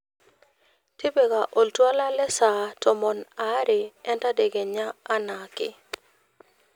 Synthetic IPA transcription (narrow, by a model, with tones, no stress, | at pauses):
tɪ˦be˨ka˨ʔo˨ltwa˦la˦lɛ˦sa˨tɔ˨mɔ˨na˦ɾɪ˨ɛ˦nta˦de˨ɡe˨ɲaː˦na˨kɪ̰˦